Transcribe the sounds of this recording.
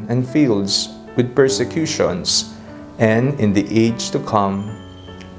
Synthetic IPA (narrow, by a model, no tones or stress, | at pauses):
ɛ̃nfilds | wɪd̪̚pɛɹsɛkʰjuʃɔ̰̃ns | ʔɛ̃nɪ̃nd̪iʔeɪd͡ʒt̪ukʰʌ̃m